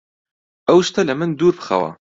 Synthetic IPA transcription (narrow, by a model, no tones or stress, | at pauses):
ɐwʃt̪ɐlɨmɨnd̪uːɾbɨ̥xɐ̰wɐ̰